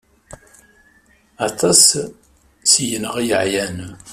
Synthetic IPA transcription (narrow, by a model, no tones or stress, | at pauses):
ɑt̪ˤɑs | sijənəʁijəʕjæn